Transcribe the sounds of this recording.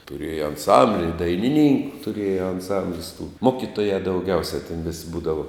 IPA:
tʊˈrʲeːjɛ ɐnˈsɐmʲbʲlʲɪ ɪr dɐɪnʲɪˈnʲiːŋkʊ tʊˈrʲeːjɛ ɐnˈsɐmʲbʲlʲɪs tuː ˈmoːkʲɪtoːjɛ dɐʊˈɡʲɛʊsʲɛ tʲɛn ʋʲɪsʲ ˈbuːdɐʋɐ

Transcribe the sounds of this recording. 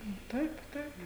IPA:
nʊ ˈtɐɪp ˈtɐɪp

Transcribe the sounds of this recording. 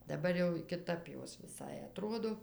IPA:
dɐˈbɐr jɛʊ kʲɪˈtɐp ˈjoːs ʋʲɪˈsɐɪ ɐˈtroːdoː

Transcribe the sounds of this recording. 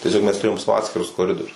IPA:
tʲiɛˈsʲoːk mʲɛs tʊˈrʲeːjoːm ˈsɑːʋoː ˈɑːtʲsʲkʲɪrʊs koːˈrʲɪdoːrʲʊs

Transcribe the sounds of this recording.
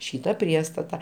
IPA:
ˈʃʲiːtɐ ˈpʲrʲiɛstɐtɐ

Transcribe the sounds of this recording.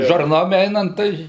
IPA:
ʒɐrˈnoːm ˈɛɪnɐnt ˈtɐɪ

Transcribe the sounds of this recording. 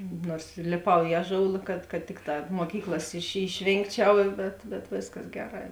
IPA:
ˈnuɔrs lʲeːˈpɐʊ ɪ ˈɑːˌʒoːʊlˠɐ kɐt kɐt ˈtʲɪkˌtɑː moːˈkʲiːklˠɐs ɪʃ ɪʃʲˈʋʲeːŋkˌt͡ʃʲɛʊ bʲɛt bʲɛt ˈʋʲeːsˌkɐs ˈɡʲæːˌrɑː

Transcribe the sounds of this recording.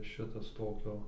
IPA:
ˈʃʲɪtɐs ˈtoːkʲoː

